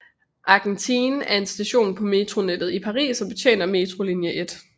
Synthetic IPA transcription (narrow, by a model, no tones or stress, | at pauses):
ʔɑ̈ɡ̥ent͡sʰiːnæɐe̝nsd̥æɕo̝̰ːnpʰɒ̽me̝t͡sʰʁo̝ned̥ð̩ˠipʰɑ̈ʁḭːsɒ̽b̥e̝t͡sʰjḛːnɐme̝ːt͡sʰʁo̝linjəʔed̥